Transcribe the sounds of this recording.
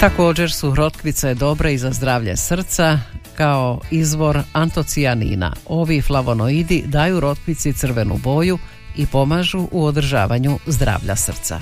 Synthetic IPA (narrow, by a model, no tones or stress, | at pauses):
t̪ako̞ːd͡ʑe̞ɾsuɾo̞t̪kʋit̪sed̪o̞bɾeizazd̪ɾaːʋʎḛsr̩t̪sakaoizʋo̞ɾant̪o̞t̪sianḭːna̰o̞ʋiflˠaʋo̞noid̪id̪aːjuɾo̞t̪kʋit̪sit̪sɨr̩ʋe̞nṵbo̞ju | ipo̞maːʒuʔuod̪r̩ʒa̰ːʋaɲuzd̪ɾa̰ːʋʎa̰sr̩t̪sa̰